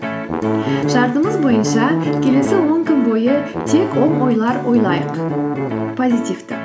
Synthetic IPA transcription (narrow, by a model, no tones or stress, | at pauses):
ʒ̥ɑɾt̪əməzbo̞jənʃɑkʲʰe̞le̞sɪwo̞ŋkʲʰʏnbo̞jət̪ʰe̞kwo̞ɴo̞jlˠɑɾo̞jlˠɑjəq | pʰo̞zʲijt̪ivt̪ɪ